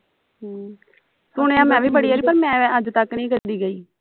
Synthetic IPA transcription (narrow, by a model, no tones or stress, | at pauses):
sʊɳ̃eːãːmɛ̃ːʋiːbəɽiːaːɾiːpəɾmɛ̃ːəd͡ʒt̪əkːnĩːkəɾd̪iːɡəiː